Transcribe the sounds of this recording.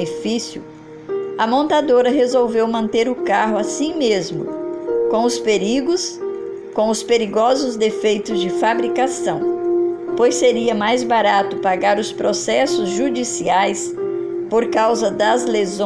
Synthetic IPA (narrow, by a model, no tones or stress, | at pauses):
efisiʊ | ɐmõnt̪ad̪oɾɐɦezowvewmɐ̃nt̪eɾʊkaɦʊasĩmezmʊ̰kõw̃ʊspeɾiɡʊs | kõw̃ʊspeɾiɡɔzʊzd̪efejt̪ʊzd͡ʒɪfabɾikasɐ̃w̃pojseɾiɐmajzbaɾat̪ʊpaɡaɾʊspɾosɛsʊzʒud͡ʒisiajs | poɾkawzɐd̪ɐzlez